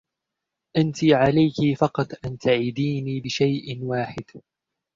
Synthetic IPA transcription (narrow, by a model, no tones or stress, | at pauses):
ʔant̪ɪʕalajkɪfɑqɑt̪ˤʔant̪aʕid̪iːniːbɪʃajʔnwaːħɪd̪